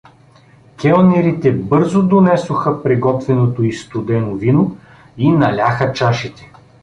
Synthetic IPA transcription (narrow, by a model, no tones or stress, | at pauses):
kɛonɛɾit̪ɛbɤɾzod̪onɛsoxəpɾiɡɔt̪vɛnot̪oist̪ʊd̪ɛnovino | inɐlʲaxət͡ʃaʃit̪ɛ̥